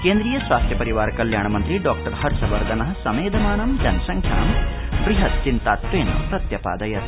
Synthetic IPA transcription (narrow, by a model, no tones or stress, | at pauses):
keːnd̪ɾiːjɐsʋaːst̪ʰjɐpɐɾiʋaːɾkɐljaːɳɐmɐnt̪ɾiɖɔːk̚ʈɐɾhɐɾsɐʋɐɾd̪ʱɐnɐɦɐ̆sɐmeːd̪ɐmaːɳɐmd͡ʒɐnɐʃɐŋkʰja̰ːmbɾiɦɐt̪̚t͡ʃint̪aːt̪ʋeːno̰pɾɐt̪jɐpa̰ːd̪ɐjɐt̪